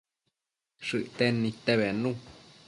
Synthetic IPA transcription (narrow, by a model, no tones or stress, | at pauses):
ʂɨʔt̪enːĩt̪eβenũ